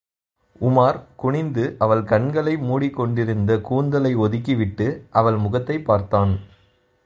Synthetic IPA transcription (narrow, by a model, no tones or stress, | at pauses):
ʊmaːɾkʊɳɪnd̪ɯʔɐʋɐɭkɐɳɡɐɭɐɪmuːɽikːɔɳɖɪɾɯnd̪ɐkuːnd̪ɐlɐɪɔðɯkːiʋɪʈːɯʔɐʋɐɭmʊɣɐt̪ːɐɪpːaːɾt̪aːn